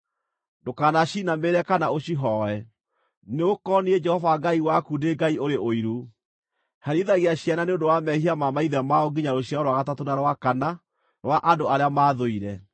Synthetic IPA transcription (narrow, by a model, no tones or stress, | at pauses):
dokaːnaɕinameɾɛkanaoɕiɦɔɛ | neokɔniɛd͡ʒɛhɔvaɡaiwakudeɡaioɾeʔoiɾu | haɾiðaɣeaɕjananeõndowamɛhiamamaiðɛmaoɡiɲaɾoɕijaɔɾwaɣatatonaɾwakana | ɾwaʔandoaɾeamaðoiɾɛ